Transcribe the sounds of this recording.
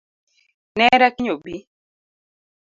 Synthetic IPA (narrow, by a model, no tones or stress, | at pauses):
nɛɾakiɲobi